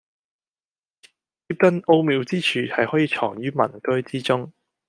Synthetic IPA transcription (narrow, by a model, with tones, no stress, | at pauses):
i˧˥p̚t̪ɐ˥no˥wmiː˨˧wt͡siː˥t͡ʃʰyː˨˩hɐ˨jhɔː˨˥jiː˨˧t͡ʃʰɔː˨˩ŋjyː˥mɐ̰˨˩nkɵ˥ɥt͡siː˥t͡sʊ˥ŋ